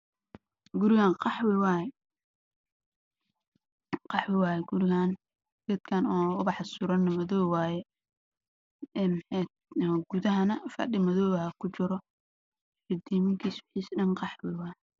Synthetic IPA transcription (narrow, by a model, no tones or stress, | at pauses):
ɡʊɾɪɣaːnqɑħwɪwaːjɛ | qɑħwɪwɑːjɛɡʊɾɪɣan | ɡ̪ɪt̪kʰɐnɔːʊβɑħɑsʊɾɐnːɐmɐðɔːwwaːjɛ | ɛːnmħɛt̪̚ːɡ̥ʊðɐɦɐnɐfɐ̰ɗɪmɐðɔːwhɐkʰʊt͡ʃɪɾɔ | ɪd̪iːmɪŋkʰiːswɪħiːsɗɐnqɑħwɪwaːjɛ